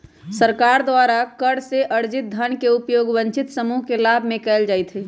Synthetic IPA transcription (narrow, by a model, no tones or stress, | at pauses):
səɾkaɾd̪ʋaɾakəɽseʔəɽd͡ʒɪt̪̚d̪ʱənkeupjoːɡʋəɲt͡ʃɪt̪səmuɦkelabʱmẽkɛːld͡ʒaːjt̪ɦi